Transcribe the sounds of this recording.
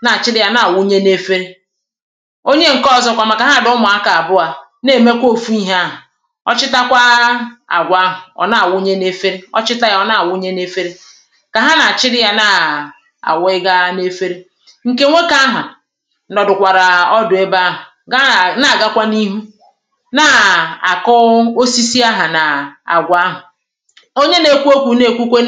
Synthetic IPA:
na˨t͡ʃɪ˦ɾɪ˦ja˦na˨wʊ˦ɲe˦ne˦fe˦ɾe˦ | o˦ɲe˦ŋ̩˨kɔ˦˨zɔ˦kʷa˨ma˨ka˨ɦa˦˨dʊ˦mʊ˨a˦ka˨a˨bʊ˦a˨ | ne˨me˦kʷo˦˨fu˦i˦ɦe˦a˦ɦʊ˨ | ɔ̰˦t͡ʃɪ˦ta˦kʷa˦a̰˨ɡʷa˦ɦʊ˨ɔ̰˨na˨wʊ˦ɲe˦ne˦fe˦ɾe˦ɔ̰˦t͡ʃɪ˦ta˦ja˦ɔ˦na˨wʊ˦ɲe˦ne˦fe˦ɾe˦ | ka˨ɦa˦na˨t͡ʃɪ˦ɾɪ˦ja˦na˨ | a̰˨wɪ˦ɡa˦ne˦fe˦ɾe˦ | ŋ̩˨ke˦ŋʷe˦ka˦ɦa˨ | nɔ˨dʊ˨kʷa˨ɾa˨ɔ˦dʊ˨e˦ba˦ɦʊ˨˦ | na˨ɡa˦kʷa˦ni˦ɦu˦ | na˨a˨kɔ˦o˦si˦si˦a˦ɦa˨na˨a̰˨ɡʷa˦ɦʊ˨ | o˦ɲe˦ne˦kʷu˦o˦kʷu˨ne˦˨kʷu˦kʷe˦

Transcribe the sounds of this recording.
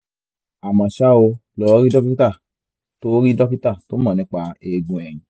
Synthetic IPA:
a˨mã˨ʃa˦o˧lɔ˨˦ɾi˦dɔ˦pi˦ta˦˨ | to˦ɾi˦dɔ˦pi˦ta˦˨to˨˦mã˨nĩ˧˦k͡pa˧e˨ɡũ˨ɛ˨ŋĩ˨

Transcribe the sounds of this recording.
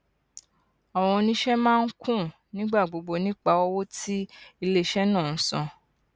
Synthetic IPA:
ɔ˨w̃ɔ̃˧nĩ˦ʃɛ˦mãː˦˧n̩˦kũ˦˨ | nĩ˦ɡ͡ba˦˨ɡ͡bo˧ɡ͡bo˧nĩ˦k͡pa˧˦wɔ˦wo˦ti˦i˧le˦˨ʃɛ˦nãː˦˨n̩˨˦sɔ̰̃˧

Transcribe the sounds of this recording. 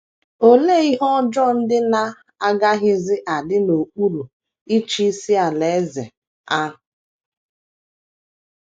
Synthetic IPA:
o˦le˦˨i˦ɦɔ˦d͡ʒɔ˦n̩˦dɪ˦na˦ | a˦ɡa˦ɦɪ˦zɪ˦ʔa˨dɪ˦no˨k͡pu˦ɾu˨ | i˦t͡ʃi˦si˦a˨le˨˦zḛ˨ | a˦ɦʊ˨

